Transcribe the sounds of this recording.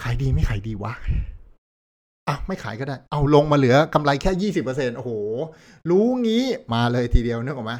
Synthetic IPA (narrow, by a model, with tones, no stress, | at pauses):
kʰaː˩˦jdiː˧ma˥˩jkʰaː˩˦jdiː˧waː˦˥ | ʔa˧˩wma˥˩jkʰaː˨˩˦jkɔ˥˩daː˥˩jʔa˧˩wlo˧ŋmaː˧lɯ˩˦ɐka˧mla˧jkʰɛː˥˩jiː˥˩si˨˩pːɤ˧se˧nʔo˧hoː˨˩ | ɾuː˦˥ŋiː˦˥maː˧lɤː˧jt̪ʰiː˧di˧əwnɯ˦˥˦ŋkːmaː˧˩